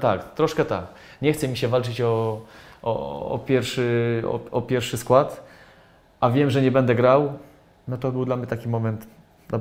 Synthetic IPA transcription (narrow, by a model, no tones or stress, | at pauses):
t̪akt̪ɾɔʂkɛt̪a̰k | ɲɛxt̪sɛmʲiɕɛvalt͡ʂɘt͡ɕɔ | ɔ̰ɔ̰pʲjɛɾfʂɘɔ̰ɔpʲjɛɾfʂɘskwat̪ | ʔavʲjɛmʐɛɲɛbɛnd̪ɛɡɾaw | nɔt̪ɔbɘwd̪lamɲɛt̪akʲimɔmɛnt̪ | a